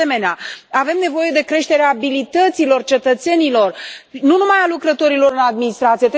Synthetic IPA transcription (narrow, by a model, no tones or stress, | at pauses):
e̞me̞neaave̞mne̞vo̞je̞d̪e̞kɾe̞ʃt̪e̞ɾeaːbilit̪ət̪silo̞rt͡ʃe̞t̪ət̪se̞nilo̞rnunumajalukɾət̪o̞ɾilo̞ɾɨnad̪minist̪ɾat̪sijet̪